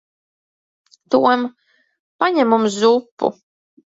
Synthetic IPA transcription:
t̪uwɛm | paɲʲɛmumzupːṵ

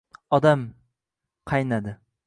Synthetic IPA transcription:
ɒd̪am | qʰɑjnad̪ɪ

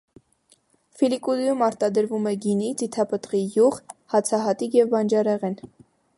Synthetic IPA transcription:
filikud̪jumɑɾt̪ɑd̪əɾvumɛɡinid͡zit̪ʰɑpət̪ʁijuʁhɑt͡sʰɑɦɑt̪ikjɛvbɑnd͡ʒɑɾɛʁɛn

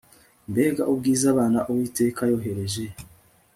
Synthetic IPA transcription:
mbe̞ːɡaʔub̚ɡiːzaβaːnaʔowiːte̞ːkajo̞ɦe̞ɾe̞ʒe̞

